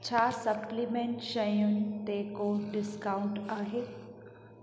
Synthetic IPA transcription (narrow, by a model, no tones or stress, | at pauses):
t͡ɕʰaːsɐplimẽɳʈʃɐjũŋt̪eːkoɖɪskaʊɳʈaːɦeː